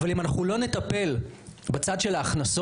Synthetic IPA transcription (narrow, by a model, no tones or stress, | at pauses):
valimanaχulo̞ne̞t̪ape̞lbat͡sad̪ʃe̞laːχnaso